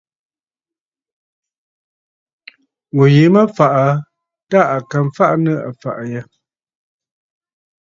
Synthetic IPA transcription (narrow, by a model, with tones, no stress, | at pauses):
wo˨je˨˦mə˦fa˨ʔa˨ | ta˦˨a˨ka˨m˦fa˦ʔnə˦a̰˨fa̰˨ʔjɛ˦